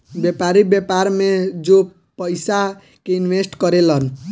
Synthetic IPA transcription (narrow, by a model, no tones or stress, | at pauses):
bjepaɾibjepaɾmed͡ʒo | pəjsa | keinʋesʈkʌɾelʌn